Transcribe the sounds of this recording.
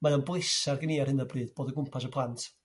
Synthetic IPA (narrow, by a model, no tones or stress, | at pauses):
maðanblɪsarɡəniarhɨnəbrɨːdb̥oːdəɡʊmpʰas̬əpʰlˠantʰ